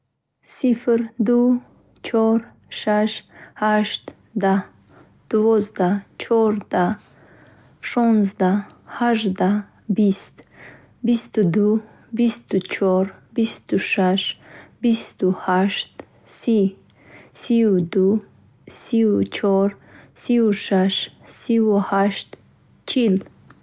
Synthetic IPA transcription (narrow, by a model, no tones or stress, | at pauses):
sifɾd̪u | t͡ʃʰɔɾ | ʃaʃhaʃt̪ | d̪a | d̪̥uvɔzd̪at͡ʃʰɔɾd̪a | ʃɔnzd̪ahaʒd̪a | bist̪ | bist̪ud̪u | bist̪ut͡ʃʰɔɾbist̪uʃaʃbist̪uhaʃt̪ | si | siwd̪u | siwt͡ʃʰɔɾsiwuʃaʃsiwuhaʃt̪ | t͡ʃʰil